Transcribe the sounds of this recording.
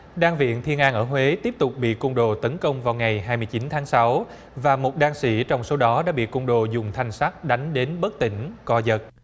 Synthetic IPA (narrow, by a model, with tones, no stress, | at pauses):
ɗaː˧ŋvḭ˧˨ənt̪ʰi˧ənʔaː˧nʔəː˧˩ɦwe˨˦t̪i˦˥əp̚t̪ʊ˨˩k͡p̚ɓḭ˧˨kʊ˧wŋ͡mɗo̰˧˨t̪ə˨˦nkə˧wŋ͡mvaː˨˩wŋa˨˩jɦaː˧jmɨ˧jt͡ɕi˨˦nt̪ʰaː˨˦ŋsa˨˦w | vaː˨˩mo˨˩t̚ɗaː˧ŋsḭ˧˩t͡ɕɔ˧wŋ͡mso˨˦ɗɔ˨˦ɗa̰ː˧˥ɓḭ˧˨kʊ̰˧ŋ͡mɗo̰˧˨zʊ˨˩ŋ͡mt̪ʰa˨˩jŋ̟saː˦˥k̚ɗa˨˦jŋ̟ɗe˨˦nɓə˦˥k̚t̪ï˧˩ŋ̟kɔ˧˦zə˨˩t̚